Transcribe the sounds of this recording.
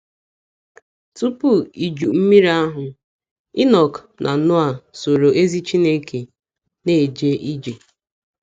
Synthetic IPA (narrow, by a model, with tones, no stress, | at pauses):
tu˦pu˦i˨d͡ʒu˨m̩˦mi˦ɾa˦ɦʊ˨ | i˦nɔ˨k | nʔa˨˦nʊ˦a˨so˨ɾo˨ʔe˦zi˦t͡ʃi˦ne˦ke˨ | ne˦˨d͡ʒe˦ʔi˦d͡ʒe˨